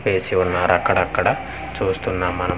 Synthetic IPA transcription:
peːsiunːaːɾɐkːɐɽɐkːɐɽɐ | t͡ʃuːst̪unːaːmːɐnɐ

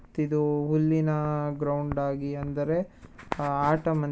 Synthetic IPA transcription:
t̪id̪uɦulːinɐɡɾɐwɳɖaːɡiɐnd̪ɐɾe̞ | aːʈɐmɐn

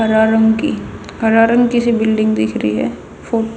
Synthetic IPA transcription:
ɐɾaːɾə̃ŋɡki | hɐɾaːɾə̃ŋɡkisebɪlɖɪ̃ŋɡd̪ɪkʰɾəiɦɛ̰ː | foː

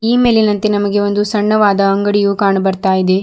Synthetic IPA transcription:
iːmeːlinɐnt̪enɐmɐɡe̞o̞nd̪usɐɳːɐʋaːd̪ɐːŋɡɐɽijukaːɳɐbɐɾt̪aːjid̪e̞

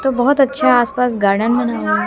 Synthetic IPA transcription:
t̪obɐɦt̪ɐtːʃʰaaːspaːsɡaːɾɖənmɐnaːʋo

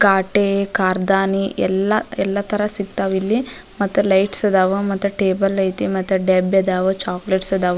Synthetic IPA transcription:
ɡaːʈekaːɾd̪aːniɛ̰lːɐɛlːɐt̪ʰɐɾɐsiɡ̚t̪aːʋilːi | mɐt̪ːulɐjʈsɐd̪aːʋumɐt̪ːuʈeːbɐlːɐjt̪imɐt̪ːuɖebjɐd̪aːʋut͡ʃaːkleʈsɐd̪aːʋu

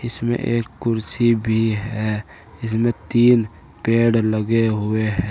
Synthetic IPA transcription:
ɪsmḛ̃ʔeːkːʊɾsibʱiɦɛ | ɪsmẽt̪iːn | peːɽləɡeɦueɦɛ̃ː

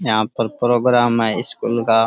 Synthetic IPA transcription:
jəɦãːpəɾpɾoːɡɾaːmɦɛːɪskuːlkaː

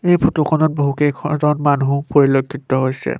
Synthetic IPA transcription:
ejpʰutukʰɔnɔt̚boɦukejkʰɔzɔnmanupoɹilokʰːitɔɦojsɛ̰

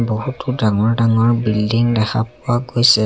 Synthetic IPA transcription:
boɦutʊdaŋɔɹdaŋɔɹbildiŋdɛxʰapʊwaɡojsɛ

